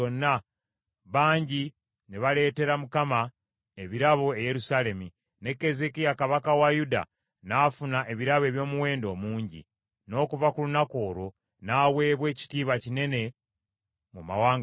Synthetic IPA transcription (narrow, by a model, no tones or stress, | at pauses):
onːa | βaːɲɟi | neβale̞ːte̞ɾamukama | e̞βiɾaβo̞eje̞ɾusale̞mi | ne̞kːe̞zekijakaβakawajuda̰ | naːfunaʔe̞βiɾaβe̞ːβjo̞ːmuwe̞ːndo̞ːmuːɲɟḭ | no̞ːkuvakulunako̞ːɾo̞ | naːwe̞ːβwe̞ːci̥tiːβacine̞ne̞ | muma̰waːŋ